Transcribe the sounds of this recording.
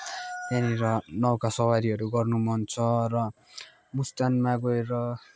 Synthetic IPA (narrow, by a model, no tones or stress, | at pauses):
taniɾʌnʌwkasʌwaɾiɦʌɾuɡʌrnumʌnt͡sʰʌrʌ | must̪anmaɡoeɾʌ